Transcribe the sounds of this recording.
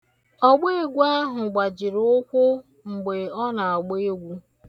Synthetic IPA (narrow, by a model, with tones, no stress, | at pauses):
ɔ˦ɡ͡be˦e˦ɡʷu˦a˦ɦʊ˨ɡ͡ba˨d͡ʒɪ˨ɾʊ˦kʷʊ˦ | ŋ͡m̩˨ɡ͡be˨ɔ˦na˨a˨ɡ͡be˦e˦ɡʷu˦